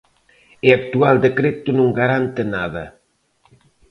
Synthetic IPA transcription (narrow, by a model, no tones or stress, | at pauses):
eak̚t̪uald̪ekɾet̪unõŋɡaɾant̪enaðɐ